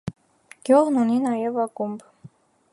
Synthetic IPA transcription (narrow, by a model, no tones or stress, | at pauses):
ɡ̥jɔʁnuninɑjɛvɑkumb